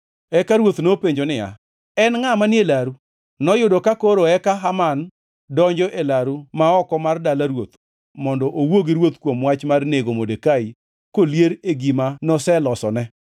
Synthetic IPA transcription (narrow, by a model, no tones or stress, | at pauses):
ɛkaɾwot̪nopeɲd͡ʒonɪja̰ | ɛnŋamanɪelaɾu | nɔjʊdɔkakoɾoɛkaɦaman | dɔɲd͡ʒɔʔelaɾumaɔkɔmardalaɾwot̪ | mɔndɔʔowoɡiɾwot̪kwomwat͡ʃmarneɡomodekai | koljeɾeɡimanɔsɛlɔsɔnɛ